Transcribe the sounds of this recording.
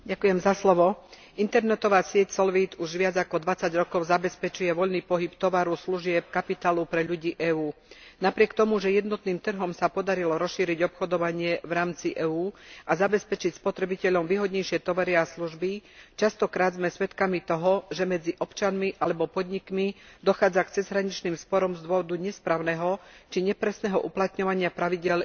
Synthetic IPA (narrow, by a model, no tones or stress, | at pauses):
ɟakujɛmzaslɔʋɔ | int̪ɛɾnɛt̪ɔʋaːsɪɛcsɔlʋiːt̪uʒʋɪad͡zakɔd̪ʋat͡saɟɾɔkɔʊzabɛspɛt͡ʃujɛʋɔʎniːpɔɦipt̪ɔʋaɾusluʒɪɛp̚kapit̪aːlupɾɛʎuɟiːʔɛːuːnapɾɪɛkt̪ɔmuʒɛjɛd̪nɔt̪niːmt̪r̩ɦɔmsapɔd̪aɾilɔɾɔsʃiːɾiɟɔpxɔd̪ɔʋaɲɪɛʋɾaːmt͡siʔɛːuːazabɛspɛt͡ʃicspɔt̪ɾɛbicɛʎɔmʋiːɦɔd̪ɲɛjʃɪɛt̪ɔʋaɾiasluʒbit͡ʃast̪ɔkɾaːd̪zmɛsʋɛt̪kamit̪ɔɦɔʒɛmɛd͡ziʔɔpt͡ʃanmiʔalɛbɔpɔd̪ɲikmid̪ɔxaːd͡zakt͡sɛzɦɾaɲit͡ʃniːmspɔɾɔmzd̪ʊɔʋɔd̪uɲɛspɾaːʊnɛːɦɔt͡ʃiɲɛpɾɛsnɛːɦɔʔuplat̪ɲɔʋaɲɪapɾaʋiɟɪɛʎ